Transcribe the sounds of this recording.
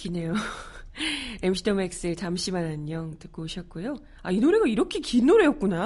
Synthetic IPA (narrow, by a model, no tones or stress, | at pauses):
kine̞jo | emɕʰitʰʌmek̚s͈ɯt͡ɕamɕ͈ʰimanaɲːʌŋtɯk͈ooɕʰʌt̚k͈ujo | ainoɾe̞ɡaiɾʌkʰe̞kinːoɾe̞jʌk̚k͈una